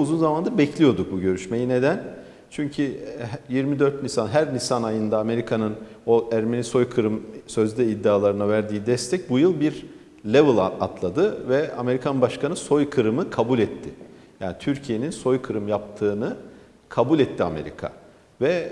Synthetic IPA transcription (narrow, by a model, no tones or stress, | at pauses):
uzunzamand̪abɛcʰlʲijo̞d̪uk̚buɟø̞ɾyʃme̞jine̞d̪æn | t͡ʃʰyɲcʰyjiɾmid̪ø̞ɾt̪lʲisanɦæɾnisanajɯnd̪aːme̞ɾikʰanɯnoæɾme̞niso̞jkʰɯɾɯmsø̞zd̪ɛid̪ːiaːlˠaɾɯnavæɾd̪iːd̪ɛst̪ʰɛc̚bujɯlˠbiɾ | lʲevɯlˠat̪lˠad̪ɯvɛame̞ɾikʰanbaʃkʰanɯso̞jkʰɯɾɯmɯkʰabulʲɛt̪ʰːɪ | jaːnit̪ʰyɾcʰije̞ninso̞jkʰɯɾɯmjap̚t̪ʰɯːnɯ | kʰabulʲɛt̪ʰːia̰me̞̰ɾḭkʰa̰ | vɛ